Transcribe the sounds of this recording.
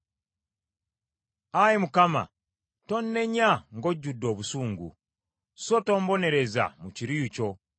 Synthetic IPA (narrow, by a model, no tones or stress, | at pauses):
ajemukama̰ | to̞nːe̞ɲaŋɡo̞ɟːudːo̞ːβusuːŋɡṵ | soto̞ːmbo̞ne̞ɾe̞za̰muciɾiuco̞